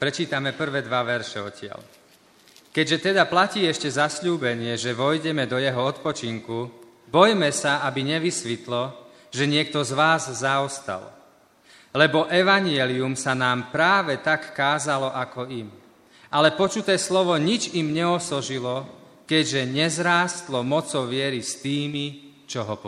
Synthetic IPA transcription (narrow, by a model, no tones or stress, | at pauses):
pɾɛt͡ʃiːt̪amɛpr̩ʋɛːd̪ʋaʋɛɾʃɛɔcɪa̰l | kɛɟʒɛt̪ɛd̪aplaciːɛʃcɛzasʎuːbɛɲɪɛʒɛʋɔjɟɛmɛd̪ɔjɛɦɔɔt̪pɔt͡ʃiŋku | bɔjmɛsaabiɲɛʋisʋit̪lɔ | ʒɛɲɪɛk̚t̪ɔzʋaːzːaɔst̪a̰l | lɛbɔʔɛʋaɲɪɛliumsanaːmpɾaːʋɛt̪akːaːzalɔʔakɔim | ʔalɛpɔt͡ʃut̪ɛːslɔʋɔɲid͡ʒimɲɛɔsɔʒilɔ | kɛɟʒɛɲɛzɾaːst̪lɔmɔt͡sɔʊʋɪɛɾist̪iːmi | t͡ʃɔɦɔp